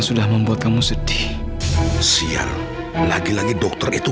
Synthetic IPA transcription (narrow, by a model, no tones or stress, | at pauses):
sudahməmbuat̪̚kamusədi̥ | sia̰ŋ | laɡilaɡidɔk̚t̪ɔrit̪u